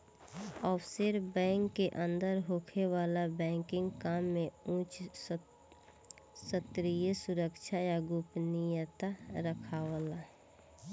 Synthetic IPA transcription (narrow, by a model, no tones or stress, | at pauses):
ɔːfseɾbɛ̃ːŋkːeʔə̃nd̪əɾɦoːkʰewaːlabɛ̃ːŋkɪ̃ŋɡkaːmːẽũːt͡ʃ | sət̪ɾijəsʊɾəkʃʰajaɡʊpnijət̪aɾəkʰaʋəlaɦɛ